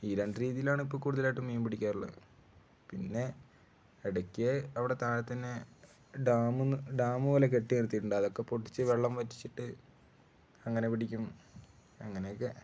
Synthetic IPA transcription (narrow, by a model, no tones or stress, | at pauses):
iːɾeɳɖɨɾiːðijilaːɳipːoːlkuːɽuðilaːjʈːɨmːeːmbiɽikʲːaːɾuɭːɐ̰ðɨ | pinːe̞ | eɽɐkʲːeɐʋiɽe̞t̪aːlɐt̪ːɐnːe | ɖaːmɨɖaːmɨoːlek̬e̞ʈːiniɾut̪iʈːuɳɖɐðo̞kːe̞poʈːi̥t͡ɕːɨʋe̞ɭːɐmʋɐtːi̥t͡ɕːiʈːɨ | ɐŋːɐne̞piɽikʲːum | ɐŋːɐnejkːe